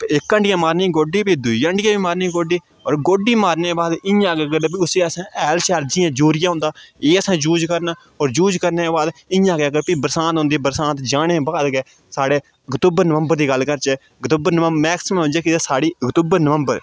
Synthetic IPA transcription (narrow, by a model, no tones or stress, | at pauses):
pːɪkːəɳɖjãːmaːɾniːɡoːɖiːbiːd̪ʊiəɳʈjãːbiːmaːɾniːɡoːɖiː | ɔ̰ːɾɡoːɖiːmaːɾneːbaːd̪ɪãːɡeːɡəɾbiːʊseːəsãːʔɛːlt͡ʃaːɾd͡ʒɪːãːd͡ʒuːɾɪjãːɦʊ̃ːnd̪aːeːəsãːd͡ʒuːd͡ʒkəɾnaː | ɔːɾd͡ʒuːd͡ʒkəɾneːbaːd̪ɪ̃ãːɡeːɡəɾpiːbəɾsãːt̪ɦʊ̃ːnd̪iːbəɾsãːt̪d͡ʒaːnẽːbaːd̪ɡeː | saːɽeː | əkt̪ʊːbəɾnəʋə̃mbəɾd̪iːɡəlːkəɾt͡ʃɛː | kt̪ʊbəɾnəʋəmɛːksmːʊ̃d͡ʒeːkɪasaːɽiːəkt̪ubəɾnəʋəmbəɾ